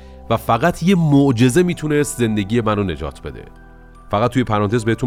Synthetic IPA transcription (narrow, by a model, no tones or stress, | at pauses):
væfæɣæt̪ʰjemoʔd͡ʒe̞ze̞miːt̪ʰunest̪ze̞nd̪e̞ɟiːje̞mænone̞d͡ʒɒ̰ːt̪ʰbe̞d̪ḛ | fæɣæt̪̚ʰːujepʰæɾɒːnt̪e̞zbeet̪u